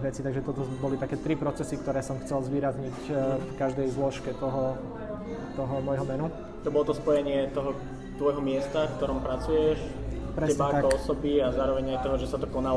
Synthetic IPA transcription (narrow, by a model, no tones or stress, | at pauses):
ʋɛt͡siːt̪aɡʒɛt̪ɔt̪ɔbɔlit̪akɛːt̪ɾipɾɔt͡sɛsikt̪ɔɾɛːsɔmxt͡sɛlzʋiːɾazɲicfkaʒd̪ɛjzlɔʃkɛt̪ɔɦɔ | t̪ɔɦɔmɔjɦɔmɛnu | t̪ɔbɔlɔt̪ɔspɔjɛɲɪɛt̪ɔɦɔ | t̪ʋɔjɦɔmɪɛst̪afk̚t̪ɔɾɔmpɾat͡sujɛʃ | pɾɛɛɲɛaaakɔɔsɔbiazaːɾɔʋɛɲajt̪ɔɦɔʒɛsat̪ɔkɔnal